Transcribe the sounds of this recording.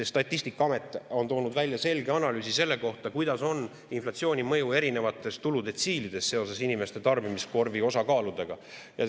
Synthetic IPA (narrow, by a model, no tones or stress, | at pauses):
est̪ɑt̪ʲːˑist̪ikːˑɑɑme̞t̪ːˑo̞nt̪o̞ːnud̪vælʲjɑse̞lɡe̞ɑnɑlyːsise̞lːe̞ko̞ht̪ɑkujd̪̥ɑso̞n | inflɑt̪sio̞ːnʲimɤjue̞ɾine̞vɑt̪ːˑe̞st̪ulud̪e̞t̪siːlid̪̥e̞sse̞o̞se̞sinime̞st̪e̞t̪ɑrbimisko̞rvio̞sɑkɑːlud̪̥e̞ɡ̥ɑ̰ | jɑ̰